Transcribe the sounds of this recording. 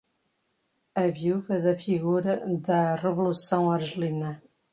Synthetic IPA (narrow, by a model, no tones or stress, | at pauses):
ɐvjuvɐðɐfiɣuɾɐðɐrɨvulusɐ̃w̃ɐɾʒɨlinɐ